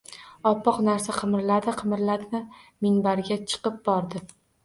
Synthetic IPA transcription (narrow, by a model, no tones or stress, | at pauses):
ɒpʰːɒqnaɾsaqʰɨmɾlad̪ɪqʰɨmɾlad̪ɪnɪmɪnbaɾɡʲat͡ʃʰɨ̥qɨp̚bɒɾd̪ɪ